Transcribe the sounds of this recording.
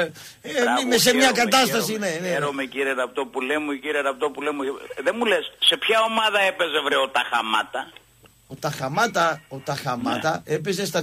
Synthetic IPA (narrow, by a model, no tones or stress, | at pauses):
eimes̬emɲɐkɐt̪ɐsst̪ɐsineneɾomeciɾieɾɐpt̪opulemuciɾieɾɐpt̪opulemuðenmulesse̞pçɐo̞mɐðɐe̞pe̞zevɾeot̪ɐxɐ̰mɐ̰t̪ɐ | ot̪ɐxɐmɐt̪ɐot̪ɐxɐmɐt̪ɐe̞p̬e̞zes̬t̪ɐ